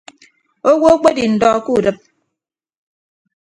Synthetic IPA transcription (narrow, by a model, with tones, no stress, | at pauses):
o˦wo˦o˦k͡pe˦di˨n̩˨dɔ˦ku˦˨dɨ˦˨p̚